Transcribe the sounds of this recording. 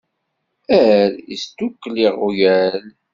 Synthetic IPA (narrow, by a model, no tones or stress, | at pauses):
æɾist̪ːukːliʁujæl